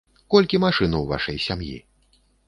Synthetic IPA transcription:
kɔlʲkʲimaʂɨnuwva̰ʂɐjsʲamjḭ

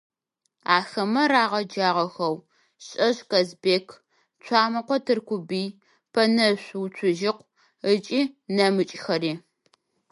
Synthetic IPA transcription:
aːxɐmɐɾaːʁɐd͡ʒaːʁɐxɐw | ɕʼɐɕkɐzbeːkʰ | t͡ʃʷʰaːmɐqʷɔtʰɨrkʷʊbiː | pʰɐnɐɕʷwt͡ʃʷʰʊʒɪqʷ | ət͡ʃʼiːnɐmɨt͡ʃʼxɐɾiː

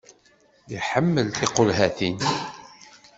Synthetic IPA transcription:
jiħəmːəlθiqolɦæθin

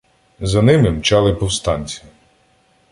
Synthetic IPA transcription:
zɐnɪmɪmt͡ʃɑlˠɪpɔwst̪ɑnʲt͡sʲi̥

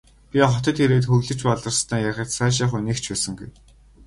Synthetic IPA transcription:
pʲiɔχɔt̪ɞ̆t̪xeɾeːt̪xɵɣɮɘ̆t͡ɕpaɮə̆rst̪æːjaxʲə̆t̪sæːʃ̬iːχuniːkt͡ɕʰpæːsə̆ŋɡṵj

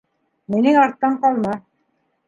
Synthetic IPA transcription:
minɘŋɑɾt̪ːɑɴqɑlˠmɑ

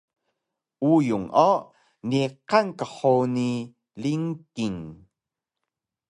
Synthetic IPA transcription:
ʔujuŋʔo | niqankəħoni | liŋkiŋ

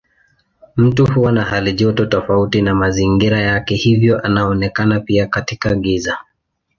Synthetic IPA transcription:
m̩tuhuwanahaliʄɔtɔtɔfautinamaziŋɡiɾajakɛhivjɔʔanaɔnɛkanapiakatikaɠiza

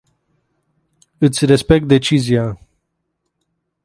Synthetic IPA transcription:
ɨt̪sʲre̞spe̞k̚t̪̚d̪e̞t͡ʃizia

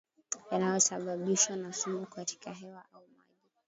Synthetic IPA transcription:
janajɔsaɓaɓiʃwanasumukati̥kaɦɛwaʔauma̰ʄi

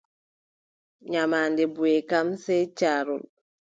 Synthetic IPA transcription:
ɲamaːndɛbuɛkamsɛt͡ʃaːɾṵl

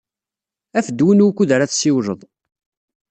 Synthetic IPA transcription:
æfəd̪wənukːuðəɾaθsiwʒəðˤ

